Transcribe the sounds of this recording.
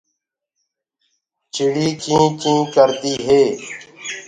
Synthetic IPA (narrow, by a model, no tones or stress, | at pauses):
t͡ʃʰɪɽiːkʰĩːkũːkəɾt̪iːɦeː